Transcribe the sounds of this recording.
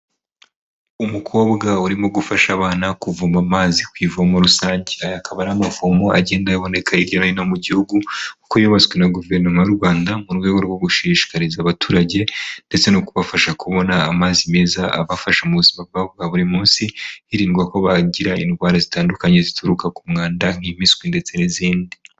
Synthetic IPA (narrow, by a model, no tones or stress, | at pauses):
umukʰo̞ːβɡauɾimoɡufaʃaβaːnakuvuːmamaːzikwiːvomoɾusaːɲɟeajakʰaβanamafomo̞aɟe̞ːndajaβo̞ne̞kʰaiɾɟonainomuɟihuɡukukojoβat͡swenaɡuve̞ɾnomajoɾɡwaːndamuɾɡwe̞ːɡo̞ɾɡwo̞ɡuʃiʃi̥kaɾizaβatʰuːɾaɟe̞nde̞t͡se̞nokuβafaʃakuβo̞naːmaːzime̞ːzaʔa̰βafaʃamuβuzimabβaβuɡaβuɾimuːnsiiɾiːŋɡwako̞βaɟiɾaḭnɡwaːɾazitaːndukaɲe̞zitʰuɾukakumŋaːndaŋ̥imiswinde̞t͡se̞niziːndi